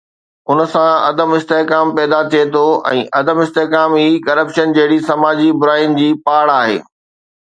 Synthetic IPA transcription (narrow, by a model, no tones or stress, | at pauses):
ʊn̆sãɐd̪əmɪst̪eːkaːmpɛːd̪at̪ʰiet̪ʰoɛ̰̃ːʔɐd̪əmɪst̪eːkaːmiːkɐɾəpʃənd͡ʑɐɦɪɽisɐmaːd͡ʑibʊɾaːjənɪ̆d͡ʑiːpaːɽaːɦḛː